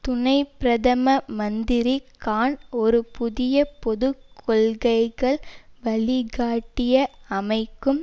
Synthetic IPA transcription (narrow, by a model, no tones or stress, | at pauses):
t̪ʊnɐɪpɪɾɐðɐmɐmɐnd̪ɪɾikaːnɔɾɯpʊðɪjɐpɔðɯkʰːɔɭɣɐɪɣɐɭʋɐɭɪɣaːʈːɪjɐɐmɐɪkːɯm